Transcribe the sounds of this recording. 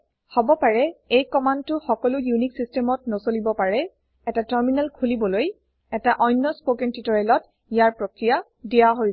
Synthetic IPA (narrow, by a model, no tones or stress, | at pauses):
hɔbɔpaɹɛejkɔmantʊxɔkɔlʊjuniksistɛmɔtnɔsolibɔpaɹɛ | ɛtatəɹminɛlkʰulibɔloj | ɛtaʔɔjnːɔspokɛntitɔɹɛlɔt | ijaɹpɹokɹija | dijaɦoj